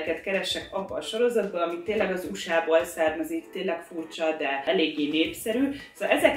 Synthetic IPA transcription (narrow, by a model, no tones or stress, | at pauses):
kɛt̪kɛɾɛʃːɛkɒbːɒːʃo̞ɾo̞zɒd̪bɒɒmit̪ːeːnlɛɡɒzuʃaːboːlsɛrmɛzikt̪eːnlɛkfuːrt͡ʃɒd̪ɛɛleːɡːeːneːpsɛɾyːsolɛzɛk